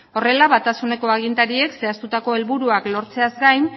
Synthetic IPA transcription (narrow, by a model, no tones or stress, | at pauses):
o̞re̞laβat̪asune̞ko̞aɣ̞int̪aɾie̞kse̞ast̪ut̪ako̞e̞lβuɾuaklo̞ɾt͡se̞azɡajn